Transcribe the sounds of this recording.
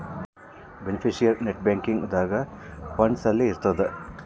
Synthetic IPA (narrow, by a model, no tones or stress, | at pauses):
benepʰiʃijɐɾneʈ̚baːŋkiŋɡud̪aːɡɐ | pɐɳɖsɐlːiːɾt̪ɐd̪e